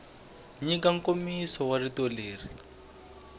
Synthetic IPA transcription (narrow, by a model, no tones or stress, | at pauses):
ɲikaŋ̩komisɔwaritɔleːri